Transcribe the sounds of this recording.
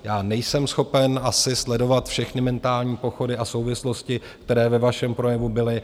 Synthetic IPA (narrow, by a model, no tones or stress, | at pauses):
jaːnɛjsɛmsxo̞pɛnʔasɪslɛdo̞vat̪fʃɛxnɪmɛnt̪aːlɲiːpo̞xo̞dɪʔaso̞wvɪslo̞scɪkkt̪ɛɾɛːvɛvaʃɛmpɾo̞jɛvubɪlɪ